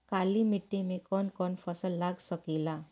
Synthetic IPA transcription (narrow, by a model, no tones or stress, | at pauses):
kalimiʈːimẽkɔnkɔnfʰəsəlːaɡsəkila